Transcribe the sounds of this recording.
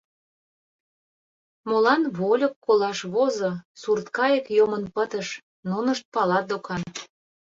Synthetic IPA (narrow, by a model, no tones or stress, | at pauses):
molɑnβolʲokːolɑʃβozosurt̪kɑjə̆kjomənpət̪ə̆ʃ | nunə̆ʃt̪̚pɑlɑt̪̚d̪okʰɑn